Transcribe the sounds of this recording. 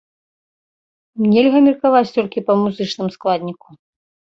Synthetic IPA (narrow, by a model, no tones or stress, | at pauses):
mnʲɛlʲɣɐmʲirkavat͡sʲt̪ɔlʲkʲipɐmuzɨt͡ʂnɨmsklˠad̪ʲnʲiku̥